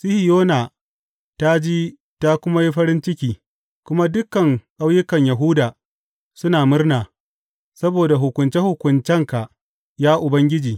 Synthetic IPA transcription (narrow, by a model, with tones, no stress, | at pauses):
sɪ˦hi˨joː˦na˨ | ta˦d͡ʒiː˦ | ta˦kʷʊ˦ma˦ji˦ɸɐ˦ɾɪ˦nt͡ʃɪ˦kʲiː˦ | kʷʊ˦ma˦dʊ˦kːɐ˨ŋʔa˦wjʊ˦kɐ˨ɲjɐ˨ɦuː˦daː˨ | sʊ˦naː˨mʊ˦rnaː˨ | sɐ˦boː˨da˨ɦʊ˨kʷʊ˨nt͡ʃe˦hʊ˨kʷʊ˨nt͡ʃɛ˦ŋka˨ | jaː˦ʔʊ˨bɐ˦ŋɡʲɪ˦d͡ʒiː˨